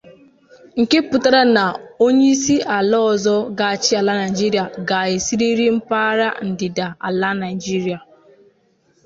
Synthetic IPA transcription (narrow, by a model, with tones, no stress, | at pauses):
ŋ̩˨ke˦pʊ˨ta˦ɾa˦na˨o˦ɲe˦i˦si˦ʔa˨lɔ˦ɔ˨zɔ˦ɡa˨a˨t͡ʃɪ˦a˨la˦na˨i˨d͡ʒi˦ɾi˨˦a˨ɡa˨ɪ˨si˦ɾi˦ɾi˦m̩˦pa˦ɾa̰˦n̩˨dɪ˨da˨a̰˨la˦na˨i˨d͡ʒi˦ɾi˨a˨